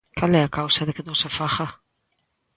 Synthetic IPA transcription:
kalɛakawsaðekenõŋsafaχa

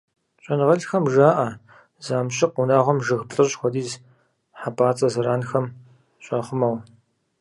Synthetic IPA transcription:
ɕʷʼɐnʁɐɮxɐmʒaːʔɐ | zaːmɕʼɪqʊnaːʁʷɔmʒɨxpɬʼɨrxʷɔdiːz | ħapʼaːt͡sʼɐzɨɾaːnxɐm | ɕʼɐχʷʊmɐw

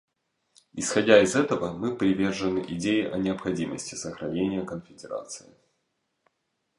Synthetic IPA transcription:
ɪsxɐdʲaɪzɛt̪əvəmɨpɾʲɪvʲe̞rʐɨnɨʔɪdʲejɪʔɐnʲɪəpxɐdʲiməsʲtʲɪ̥səxɾɐnʲenʲɪjəkənfʲɪdʲɪɾa̰t̪sɨ̥ɪ̰

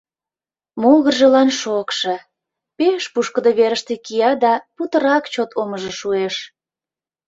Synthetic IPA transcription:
moɣərʒəlɑnʃokʃĕ | peʃpuʃkəd̪əβeɾəʃt̪ekijɑd̪ɑput̪əɾɑkt͡ɕot̪ʰoməʒĕʃueʃ

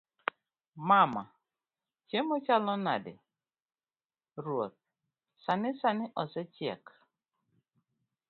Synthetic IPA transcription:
mama | t͡ʃemɔt͡ʃalɔnadɪ̰ | ɾwot̪̚ | sanɪsanɪʔɔsɛt͡ʃjɛ̰k

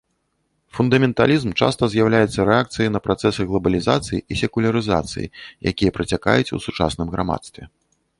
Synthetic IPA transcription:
fund̪ɐmʲɛnt̪alʲizmt͡ʂa̰st̪ɐzʲjawlʲajɛt̪sːɐɾɛak̚t̪sɨjinɐpɾat̪sɛsɨɣlˠɐbɐlʲiza̰t̪sɨjiʔisʲɛkulʲɐɾɨza̰t̪sɨ̰jḭjʔa̰kʲijɐpɾɐt͡sʲaka̰jut͡sʲṵsut͡ʂa̰snɨmɣɾa̰ma̰t̪st̪vʲɛ̰

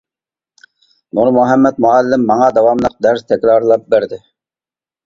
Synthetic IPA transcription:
nuɾmuɦɛmːɛt̪̚muɛlːɪmːɑŋɑd̪ɑwɑmlˠəq̚d̪æɾst̪ʰɛkʲɾɑɾlˠɑp̚bæɾd̪ɪ

